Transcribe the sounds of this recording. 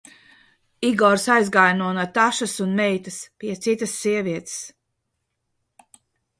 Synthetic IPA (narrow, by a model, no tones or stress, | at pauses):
iɡɔɾsajzɡajnuɔnat̪aʃasunmɛjt̪ɐspiɛt̪sit̪ɐsːiɛviɛt̪s